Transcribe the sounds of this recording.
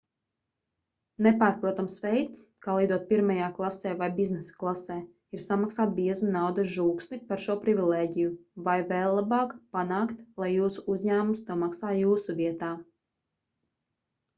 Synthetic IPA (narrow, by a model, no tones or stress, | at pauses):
nepaːɾpɾuɔt̪amsvejt̪s | kaːlˠijd̪uɔt̪̚piɾmajaːklˠasɛːvajbiznɛsḁklˠasɛː | iɾsamaksaːt̪̚biɛzunawd̪ɐʒuːksnipaɾʃuɔpɾivʲilˠeːɟijuvajvɛːlˠːabɑːkpanaːkt̪lˠajːuːsuuzʲɲæːmumst̪uɔmaksaːjuːsuviɛt̪aː